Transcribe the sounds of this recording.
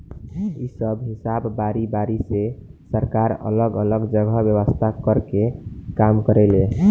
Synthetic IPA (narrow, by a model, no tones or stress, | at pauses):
isəbɦisabːaɾibaɾisesəɾkaɾə̰ləɡələɡd͡ʒəɡʱəbjəʋəst̪ʰakəɾkekamkəɾɛle